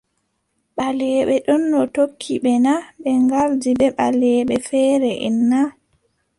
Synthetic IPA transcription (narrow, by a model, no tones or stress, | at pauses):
ɓalɛːɓɛɗɔnːɔtokʰːiɓɛnaɓɛŋɡaldibɛɓalɛːɓɛfɛːɾɛʔɛ̰nːa